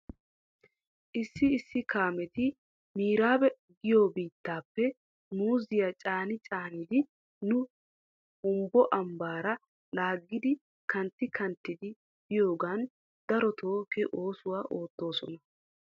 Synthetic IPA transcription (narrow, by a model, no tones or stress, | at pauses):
ʔɪsːɪɪsːɪkaːmɛt̪ɪ | miːɾaːbɛ | ɡɪjoːbiːt̪ːaːpːɛ | muːzɪjat͡ʃʼaːnɪt͡ʃʼaːnɪd̪ɪ | nʊ | ʊmbɔʔɐmbaːɾɐ | laːɡːɪd̪ɪ | kɐnt̪ːɪkʰɐnt̪ːɪd̪ɪ | b̥ɪjo̞ːɡaːn | d̪ɐɾɔt̪ʰo̞ːkɛʔo̞ːsʊwaːʔo̞ːt̪ːo̞ːsɔ̰nɐ